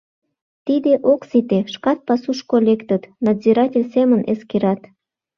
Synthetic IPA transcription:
t̪id̪eʔoksit̪eʃkɑt̪̚pɑsuʃkolʲekt̪ət̪nɑd̪ziɾɑtʲelʲsemənʔḛskeɾɑt̪

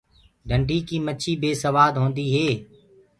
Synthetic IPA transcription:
ɖʱəɳɖʱiːkiːmət͡ʃʰiːbeːsəʋaːd̪ɦoːnd̪iːɦeː

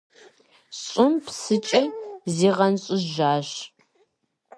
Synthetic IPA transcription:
ɕʼʊmpʰsɨt͡ʃʼɐziːʁɐnɕʼʊʒaːɕ

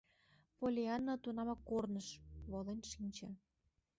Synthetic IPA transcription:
polʲeɑnːot̪unɑmɑkːornəʃβolenʲʃinʲt͡ɕĕ

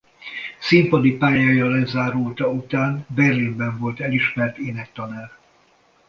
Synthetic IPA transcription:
simpɒd̪ipaːjaːjɒlɛzaːɾult̪ɒut̪aːnbɛrːinbɛɱvo̞lt̪ɛliʃmɛrt̪eːnɛkt̪ɒnaːr

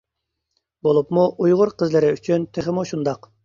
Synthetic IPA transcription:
bolˠupmuʔujʁʊɾqʰəzlɪɾɪyt͡ʃʰynt̪ʰeχɪmuʃund̪ɑq

